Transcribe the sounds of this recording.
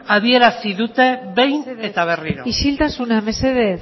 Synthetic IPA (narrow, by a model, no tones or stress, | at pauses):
aðie̞ɾasiðut̪e̞βe̞jnet̪aβ̞eriɾoiʃilt̪asuname̞se̞ðe